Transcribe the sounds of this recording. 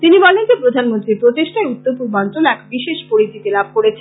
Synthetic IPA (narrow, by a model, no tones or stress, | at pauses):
t̪inibɔlend͡ʑepɾod̪ʱanmont̪ɾipɾot̪eʃʈaeut̪ːopuɾmant̪onɛkbiʃeʃpoɾit̪ʰit̪elab̚ʱkoɾet͡ɕʰe